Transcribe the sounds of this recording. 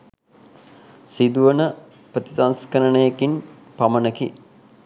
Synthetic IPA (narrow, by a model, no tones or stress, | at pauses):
sid̪uʋənə | pɾət̪isanskəɾənəjekin | pamənəki